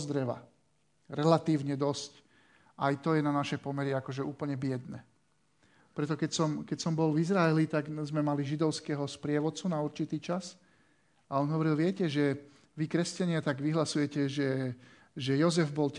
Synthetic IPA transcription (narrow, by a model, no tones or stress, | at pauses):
zd̪ɾɛʋa̰ | ɾɛlat̪iːʊɲɛd̪ɔsc | ʔajt̪ɔjɛnanaʃɛpɔmɛɾiakɔʒɛʔuːpl̩ɲɛbɪɛd̪nɛ | pɾɛt̪ɔkɛcsɔmkɛcsɔmbɔlvizɾaɛlit̪aɡzmɛmaliʒid̪ɔʊskɛɦɔspɾɪɛʋɔt͡sunauɾt͡ʃit̪iːt͡ʃas | aɔnɦɔʋɔɾilʋɪɛcɛʒɛ | ʋikɾɛscaɲɪat̪aɡʋiɦlasujɛcɛʒɛ | ʒɛjɔzɛvbɔlc